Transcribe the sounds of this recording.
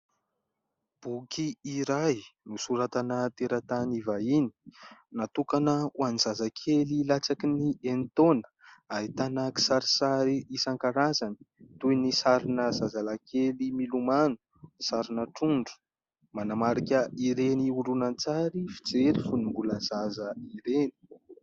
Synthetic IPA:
b̥ukiiɾajnusuɾat̪anət̪eɾat̪anivaini̥nat̪ukanəwanizazakʰelilat͡sakinient̪onə̥ | ait̪anaki̥saɾi̥saɾiisaŋkaɾazani̥t̪ujnisaɾinəzazalakʰelimilumanu̥ | isaɾinəʈ͡ʂuɳɖ͡ʐu̥ | manamaɾikʲəiɾeniuɖ͡ʐunant͡saɾifi̥d͡zeɾifunumbuləzazəiɾeni̥

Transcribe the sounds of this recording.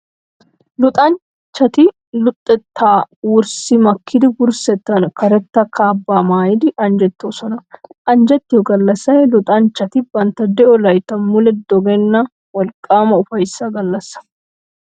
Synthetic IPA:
lʊt̪ʼɐn | t͡ʃːɐt̪ɪ | lʊt̪ʼːɛt̪ʰːaːwʊɾsɪmɐkʰːɪd̪ɪɡʊɾsɛt̪ːɐnkɐɾɛt̪ːɐkʰaːbːaːmaːjɪd̪ɪʔɐnd͡ʒɛt̪ːosɔnɐʔɐnd͡ʒɛt̪ːɪjɔɡɐlːɐsːɐjlʊt̪ʼɐnt͡ʃːɐt̪ɪbɐnt̪ːɐd̪ɛʔɔlɐjt̪ːɐmʊlɛd̪ɔɡɛnːɐ | wɔlkʼːaːmɐʊfɐjsːɐɡɐlːɐsːɐ̥

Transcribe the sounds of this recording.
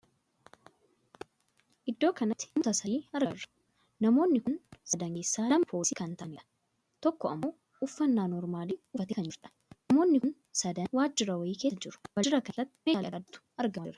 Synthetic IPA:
ʔɪd̪ːo̞ːkɐnɐt̪ːɪ̥mʊt̪ɐsɐiːɐɾrːɐ̥ | nɐmo̞ːnːɪkʊnsɐd̪ɐŋɡesːaːlɐmpʰoːsɪkɐnt̪ɐnɪ | t̪ɔkːɔʔɐmːoː | ʊfːɐnːaːnɔɾmaːliːʊfɐt̪ekɐnd͡ʒɪɾᶑɐ̥ | nɐmo̞ːnːɪʊn | sɐd̪ɐnwaːd͡ʒːɪɾɐwɐjiːke̞ːsd͡ʒɪɾʊ̥wɐd͡ʒɪɾɐkɐlɐt̪ːɪ̥meːɐɐd̪ʊ̥ɐɾɡɐɪɾɐ

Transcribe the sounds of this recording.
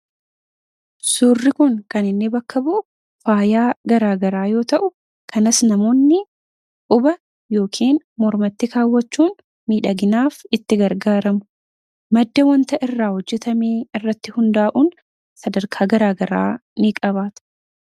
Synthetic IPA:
suːrːɪkʊŋkɐnɪnːɪbɐkːɐbʊʔʊ | faːjaːɡɐɾaːɡɐɾaːjo̞ːt̪ɐʔʊ | kʰɐnɐsnɐmo̞ːnːɪ | ʊbɐ | jo̞ːkʰiːn | mɔɾmɐt̪ːɪkaːwːɐt͡ʃːuːn | miːᶑɐɡɪnaːfɪt̪ːɪɡɐɾɡaːɾɐmʊ | mɐd̪ːɐwɐnt̪ɐʔɪrːaːhɔd͡ʒːɛt̪ɐmeːɪrːɐt̪ːɪhʊnd̪aːʔuːn | sɐd̪ɐɾkʰaːɡɐɾaːɡɐɾa̰ːnɪkʼɐβaːt̪

